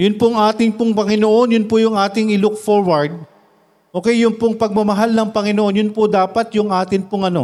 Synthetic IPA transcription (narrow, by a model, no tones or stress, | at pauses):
jʊnpoŋʔaːt̪ɪŋpʊŋpɐŋɪno̞ʔo̞njʊnpʊjʊŋʔaːt̪ɪŋɪlʊk̚foɹwɐɹd̪̚ | ʔo̞ːkɛjːʊŋpʊŋpɐɡ̚mɐmɐɦalnɐŋpɐŋɪnoʔo̞njʊnpʊd̪aːpɐt̪jʊŋʔaːt̪ɪnpʊŋɐno̞̰